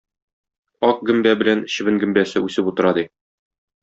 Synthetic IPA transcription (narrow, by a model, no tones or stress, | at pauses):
ɒq̚ɡɵ̆mbæbɘ̆læn̆ɕɘ̆βɘ̆ŋɡɵ̆mbæsɘʉsɘput̪ɤ̆ɾɑd̪i